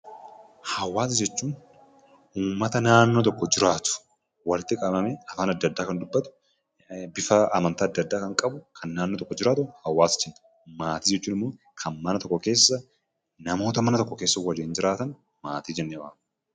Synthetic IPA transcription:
hɐwaːs̬ɐd͡ʒɛt͡ʃːuːn | uːmːɐt̪ɐnaːnːo̞ːt̪̬ɔkːɔd͡ʒɪɾaːt̪ʊ̥ | wɐlɪt̪ɪkʼɐmɐmɛɐfaːnɐd̪ːɐd̪ːaːkɐnd̪ʊbːɐt̪ʊ̥ | bɪfɐɐmɐnt̪aːɐd̪ːɐd̪ːaːkɐŋkʼɐbʊkʰɐnːaːnːot̪ɔkːɔd͡ʒɪɾaːt̪ʊhɐwaːsɐ̥d͡ʒɛnt̪ɐ | maːt̪iːd͡ʒɛt͡ʃːuːnɪmːo̞ː | kʰɐnmɐnɐt̪ɔkːɔke̞ːsːɐ | nɐmo̞ːt̪ɐmɐnɐt̪ɔkːɔke̞ːsːɐwɐliːnd͡ʒɪɾaːt̪ɐn | maːt̪iːd͡ʒɛnːeːwaːm

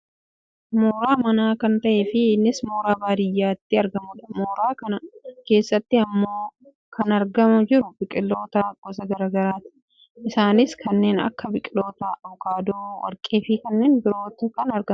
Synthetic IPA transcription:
moːɾaːmɐnaːkɐnt̪ɐʔeːfɪnːɪsmoːɾaːbaːd̪ɪjːaːt̪ːɪɐɾɡɐmʊᶑɐ̥moːɾaːkɐnɐke̞ːsːɐt̪ːɪɐmːo̞ː | kɐnɐɾɡɐmʊd͡ʒɪɾʊbɪkʼɪlːo̞ːt̪ɐɡ̥ɔs̬ɐɡɐɾaːɡɐɾaːt̪ɪ̥ | ʔɪsaːnɪskʰɐnːe̞ːnɐ̰kːɐbɪkʼɪlo̞ːt̪ɐɐbʊkaːd̪oːwɐ̰ɾkʼeːfiːkɐnːe̞ːnbɪɾo̞ːt̪ɐkɐnɐɾɡɐm

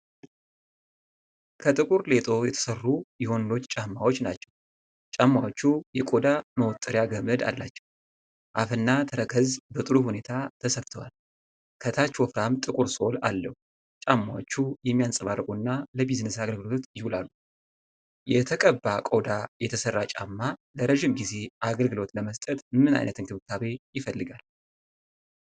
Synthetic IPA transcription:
kʰət̪ʼɨkʼuɾle̞t̪ʰʼo̞jɛt̪ʰə̥sərːujɪho̞nəlo̞t͡ʃːt͡ʃʼamːawo̞t͡ʃːnat͡ʃːɛ̥w | t͡ʃʼamːawot͡ʃːujɛkʼod̪aməwɔt̪ʼːɨɾjaɡəməd̪a̰lːat͡ʃːɛ̥w | ʔafɨnːat̪ʰəɾəkʰəzbət̪ʼɨɾuhune̞t̪ʰat̪ʰəsəft̪ʰəwa̰l | kʰət̪ʰat͡ʃːwɔfɾamt̪ʼɨkʼuɾso̞la̰lːəhu | t͡ʃʼamːwa̰t͡ʃːujɛmːijansʼəβarːəkʼuɨnːaləbizɨnɨsaɡəlɡɨlo̞t̪jɪhulalːu | jɛt̪ʰəkʼəbːakʼo̞d̪ajɛt̪ʰəsərːat͡ʃʼamːaləɾəʒimɡize̞ʔaɡəlɡɨlo̞t̪ləməst̪ʼət̪ʼmɨna̰jnət̪ʰɨnkʰɨβɨk̪ʰːaβe̞jɪfəlːɨɡal

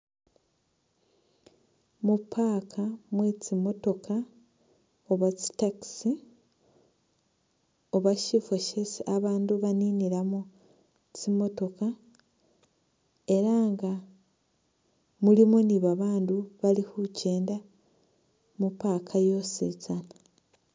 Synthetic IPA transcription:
mupʰaːkʰamwit͡simo̞to̞kʰa | oβat͡si̥taksi | oβaʃifoʃesiaβaːnduβaniniɾamo | t͡simo̞to̞ka | e̞ɾaŋɡa | mulimoniβaβaːnduβalihuce̞ːnda | mupaːkʰajo̞sḭt͡sana

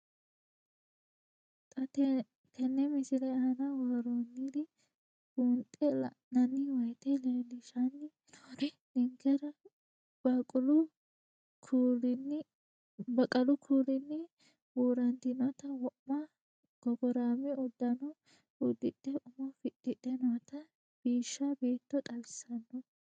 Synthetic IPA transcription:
tɐt̪ | t̪ɛnːɛmɪsɪlɛɐnɐwaːɾonːid̪ɪ̥ | unt̪ʼɛl̰nɐnːɪwɐjt̪ɛleːdɪʃɐnːɪ | dɪŋkɛɾɐ | b̥ɐkʼʊlʊ | kʰuːlɪnːɪ | bɐkʼɐlʊkʰuːlɪnːɪ | wɔːɾɐnt̪ɪnɔt̪ɐwɔʔmɐ | ɡ̥ɔbɔɾaːmɪɔd̪ːɐnɔ | ʊd̪ɪdːɛʔʊmɔfɪɗːɪᶑɛnɔɐt̪ɐ | b̥iːʃːɐbe̞ːt̪ːɔt̪ʼɐbɪsːɐnːɔ

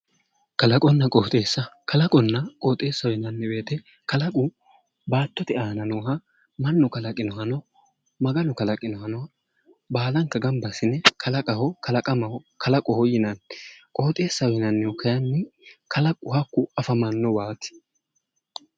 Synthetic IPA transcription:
kɐlɐkʼɔnːɐkʼoːt̪ʼe̞ːsːɐkɐlɐkʼɔnːɐkʼoːt̪ʼe̞ːsːɐwɪnɐnːɛbe̞ːt̪ɛ | kɐlɐkʼʊ | baːt̪ːɔt̪ɛaːnɐnuːɦɐ | mɐnːɔkɐlɐkʼɪnɔhɐnɔ | mɐɡɐnɔkɐlɐkʼɪnɔhɐnɔɐ | baːlɐŋkːɐɡɐmbɐsɪnɛkʰɐlɐkʼɐhɔkʰɐlɐkʼɐmɐkʰɐlɐkʼɔhɔjːɪnɐnkʼoːt̪ʼe̞ːsːɐwɪnɐnːɛwɔkʰɐjɐnːɪkʰɐlɐkʼʊhɐkːʊɐfɐmɐnːɔbaːt̪ɪ̥

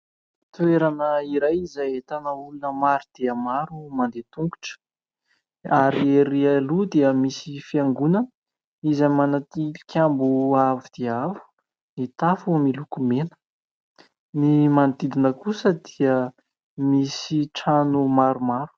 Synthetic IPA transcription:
t̪ueɾanəiɾajizajet̪anaulunəmaɾid̪̥eəmaɾumand̪et̪uŋɡu̥ʈ͡ʂə̥ | aɾieɾialud̪iəmisifiaŋɡunə | izamanat̪iikʲambuavid̪̥eavu̥ | nit̪afuamilukumenə̥ | nimand̪id̪inəkusəd̪iə | misiʈ͡ʂanumaɾumaɾu̥

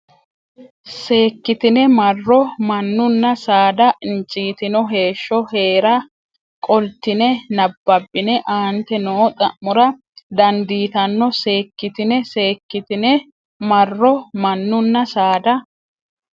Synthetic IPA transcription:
se̞ːkːɪt̪ɪnɛmɐrːɔmɐnːʊnːɐsaːd̪ɐɪnt͡ʃʼːiːt̪ɪnɔɦe̞ːʃːɔhe̞ːɾɐ | kʼɔlt̪ːɪnɛnɐbːɐbːɪnɛʔaːnt̪ɛnoːt̪ʼɐʔmʊɾɐ | d̪ɐnd̪iːt̪ɐnːɔse̞ːkːɪt̪ɪnɛse̞ːkːɪt̪ɪnɛ | mɐrːɔmɐnːʊnːɐsaːd̪ɐ

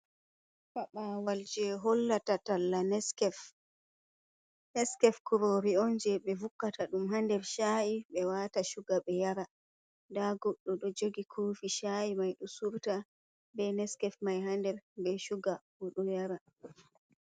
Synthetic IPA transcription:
paɓawald͡ʒɛɦɔlːatatalːanɛskɛf | nɛskɛfkuɾoɾiɔnd͡ʒɛɓɛvukːataɗumɦandɛɾʃaiɓɛwataʃuɡaɓɛjaɾa | daɡɔɗːɔɗɔd͡ʒoɡikʰoːfiʃaimajɗɔsuɾta | bɛnɛskɛfmajɦandɛɾɓɛʃuɡawɔɗɔjaɾa

